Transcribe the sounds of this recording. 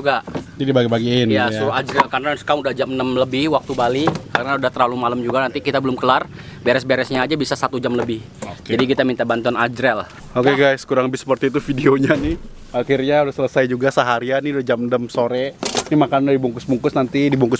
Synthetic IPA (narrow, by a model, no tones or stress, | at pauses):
d͡ʒuɡad͡ʒadibaɡipaɡiɪnjasuɾad͡ʒɾɛlkarənasə̥kaŋudahd͡ʒamnəmləbɪhwak̚t̪ubalikaɾənaudaht̪əɾlalumaləmd͡ʒuɡanant̪ikit̪abəlʊmkəlar | beɾɛsbeɾɛsɲaːd͡ʒabisasat̪ud͡ʒamləbɪh | d͡ʒadikit̪amint̪abant̪ɔnad͡ʒɾɛl | okeɡajskuɾaŋəbɪsə̥pərt̪iːt̪ufideoɲanɪh | akirɲaudahsələsajd͡ʒuɡasəɦaɾianɪudahd͡ʒamdəmsoɾɛnɪmakanudadibuŋkʊsbuŋkʊsnant̪idibuŋkʊs